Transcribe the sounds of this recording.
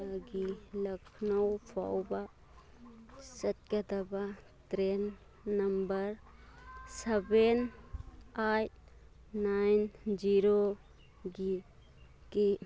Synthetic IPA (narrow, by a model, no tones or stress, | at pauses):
ɡilɐkʰnəwpʰa̰wba | sɐt̪̚kat̪aba | t̪ɾenː | ɐmbəɾ | seben | at̚ | najnd͡ʒiɾo | ɡi | ke